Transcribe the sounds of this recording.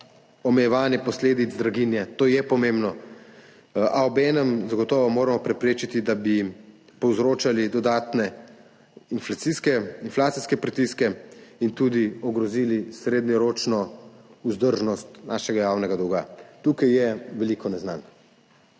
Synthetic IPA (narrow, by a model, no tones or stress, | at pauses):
ɔmɛjɛʋaːnjɛpɔsleːd̪id̪zd̪ɾaɡinjɛt̪oːjɛpɔmembnɔ | ʔaɔbɛːnɛmzaɡɔt̪ɔːʋɔmoːɾamɔpɾɛpɾeːt͡ʃit̪id̪abi | pɔwzɾoːt͡ʃalid̪ɔd̪aːt̪nɛ | inflat̪siskɛinflaːt̪siskɛpɾit̪iskɛint̪uːd̪iɔɡɾɔziːlisɾeːd̪nɔɾoːt͡ʃnɔuzd̪əɾʒnɔst̪naːʃɛɡajaːwnɛɡad̪ɔwɡat̪uːkajjɛʋɛliːkɔnɛzna̰n